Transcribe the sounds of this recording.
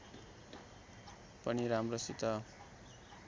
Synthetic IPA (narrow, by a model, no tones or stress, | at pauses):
pʌniɾamrosit̪ʌ